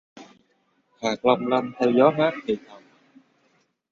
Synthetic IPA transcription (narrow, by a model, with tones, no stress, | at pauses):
haː˨˩kla˧ŋ͡mmla˧nt̪ʰɛː˧wzɔ˨˦ɦaː˦˥k̚t̪ʰi˨˩t̪ʰə˨˩m̚